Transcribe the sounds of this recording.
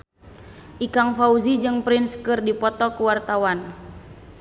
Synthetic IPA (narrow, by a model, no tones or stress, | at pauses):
ʔikaŋfauzid͡ʒɨŋpɾinskɨrdipɔt̪ɔkuwart̪awan